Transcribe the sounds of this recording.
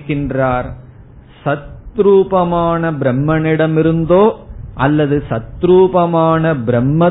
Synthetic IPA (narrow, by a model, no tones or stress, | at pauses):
kːɪndraːɾ | sɐt̪ɾuːpɐmaːnɐbɾɐmːɐnɪɽɐmɪɾɯnd̪oːʔɐlːɐðɯsɐt̪ːɾuːpɐmaːnɐbɾɐmːɐ